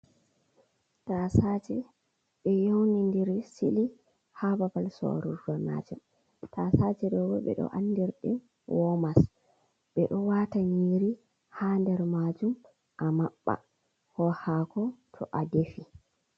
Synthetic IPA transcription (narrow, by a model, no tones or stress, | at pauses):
tasat͡ʃɛ | ɓɛjownindiɾsili | hababalsɔ̰ɾuɾɡɔna̰d͡ʒɛm | tasat͡ʃɛɗɔwɔɓɛ̰ɗɔ̰ʔa̰nːdiɾɗḭn | wɔmas | ɓɛɗɔwataɲiɾi | haːndɛɾmad͡ʒum | ʔamaɓːa̰ | hɔhaːkɔtʰɔʔadefi